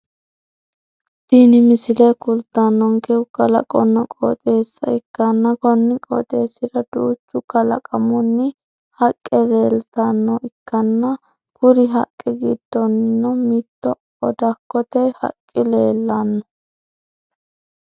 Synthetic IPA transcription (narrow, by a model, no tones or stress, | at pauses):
d̪̥iːnɪmɪsɪlɛkʊlt̪ːanːɔŋkɛʊkːɐlɐ̰kʼɔnːɔkʼo̰ːt̪ʼe̞ːsːɐ̰ɪkːɐnːɐkɔnːɪkʼɔ̰ːt̪ʼe̞ːsːɪɾɐd̪uːt͡ʃːʊkɐlɐ̰kʼɐmʊnːɪ | hɐkʼːɛle̞ːlt̪ɐnːɔɪkːɐnːɐ | kʊɾɪɦɐkʼːɛɡɪd̪̥ːɔnnːɔmit̪ːɔ | ɔd̪ɐkːɔt̪ɛhɐ̰kʼːɪleːlːɐnːɔ